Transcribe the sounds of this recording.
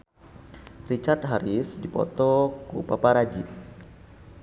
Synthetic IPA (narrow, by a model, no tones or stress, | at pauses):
rit͡ʃart̪̚ɦaɾisdipɔ̰t̪ɔkupapaɾad͡ʒi